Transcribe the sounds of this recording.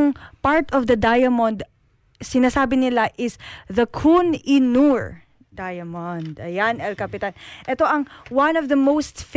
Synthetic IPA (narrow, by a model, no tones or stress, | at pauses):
ŋpaɹt̪ɔvd̪ɐd̪ajɐmɔnd̪ | sɪnaːsaːbɪnɪlaʔɪsðɐkʰunɪnuɹ | d̪ajɐmɔnd̪ɐjanɛlkɐpɪt̪anʔɛt̪o̞ʔɐŋwãnɔvðɐmowst̪f